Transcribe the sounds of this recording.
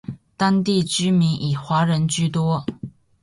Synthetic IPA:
t̪a˥ŋt̪i˥˩t͡ɕy˥mi˧˥ŋʔi˨˩xwa˧˥ɻə˧˥nt͡ɕy˥˩t̪wɔ˥

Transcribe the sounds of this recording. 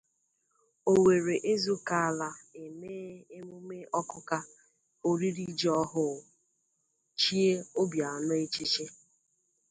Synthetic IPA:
o˨we˨ɾe˨ʔe˦zu˦ka˦a˨la˦e˨meː˦e˦mʊ˦me˦ʔɔ˦kʊ˦ka˦ | o˦ɾi˦ɾi˦d͡ʒɔ˦ɦʊ˦˨ | t͡ʃi˦e˦o˦bja˨a˨nʊ˦e˦t͡ʃi˦t͡ʃe˦

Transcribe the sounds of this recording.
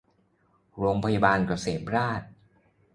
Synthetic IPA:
ɾoː˧ŋpʰa˧ja˧baː˧nka˨˩seː˩˦p̚ɾaː˥˩t̪̚

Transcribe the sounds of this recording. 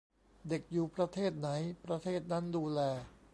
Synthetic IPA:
de˨˩k̚juː˨˩pɾa˧t̪ʰeː˥˩t̪̚na˩˦jpɾa˧t̪ʰeː˥˩t̪̚na˦˥nduː˧lɛː˧

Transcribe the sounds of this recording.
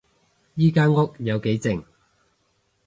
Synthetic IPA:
jiː˥kaː˥nŋʊ˥k̚jɐ˨˧wke˨˥jt͡sɪ˨ŋ

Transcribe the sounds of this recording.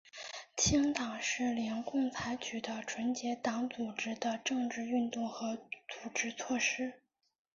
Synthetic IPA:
t͡ɕʰi˥ŋt̪ɑ˨˩ŋʂɻ̩˥˩ljɛ˧˥nkʊ˥˩ŋt͡sʰa˧˥ɪt͡ɕʰy˨˩d̪ə˦ʈ͡ʂʰwə˧˥nt͡ɕjɛ˧˥t̪ɑ˧˥ŋt͡su˨˩ʈ͡ʂɻ̩˥d̪ə˧ʈ͡ʂɤ˥˧ŋʈ͡ʂɻ̩˥˧y˥˧nt̪ʊ˥˩ŋxɤ˧˥t͡su˨˩ʈ͡ʂɻ̩˥t͡sʰwɔ˥˩ʂɻ̩˥

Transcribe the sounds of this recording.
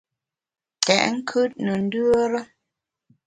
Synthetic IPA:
tɛ̰˨ʔŋ̩˦kʰʉ˦t̚nə˨n̩˦dʉ˦o˦ɾə˦

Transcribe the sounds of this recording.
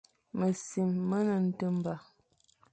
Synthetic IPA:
mə˨si˨mːə˦nə˨n̩˦tə˦m˦ba˨

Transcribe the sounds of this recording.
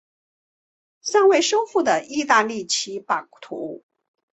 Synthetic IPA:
ɕa˥˧ŋwe˥˩ɪʂo˥ʊxu˥˩d̪ə˩i˥˧t̪a˥˧li˥˩t͡ɕʰi˧˥pa˨˩ŋt̪ʰṵ˧˥˦

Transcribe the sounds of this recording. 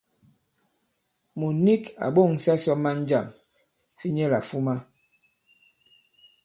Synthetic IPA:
mu˨ni˦ka̰˨ɓo˦˨ŋ˨sa˦sɔ˦ma˦n̩˦d͡ʒa˦˨m | fi˦ɲɛ˦la̰˨fu˦ma˦

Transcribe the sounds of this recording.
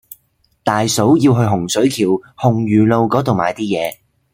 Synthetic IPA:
t̪aː˨jso˨˥wjiː˧wɦɵ˧ɦʊ˨˩ŋsɵ˨˥ɥkʰiː˨˩whʊ˨˩ŋjyː˨˩lo˧wkɔː˨˥t̪o˨wma̰ː˨˧jt̪iː˥jɛː˨˧

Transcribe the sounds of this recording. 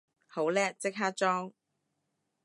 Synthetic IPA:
ho˨˥wlɛː˥t͡sɪ˥k̚ɦaː˥t̚t͡ʃɔː˥ŋ

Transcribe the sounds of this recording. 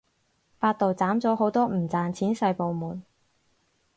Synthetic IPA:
faː˧t̚t̪o˨wt͡saː˨˥mt͡sɔː˨˥ɦo˨˥wt̪ɔː˥m̩˨˩t͡saː˨nt͡sʰiː˨˥nsɐ˧jpo˨wmuː˨n

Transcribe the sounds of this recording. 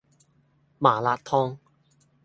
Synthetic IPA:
maː˨˩laː˧tt̪ʰɔː˧˥ŋ

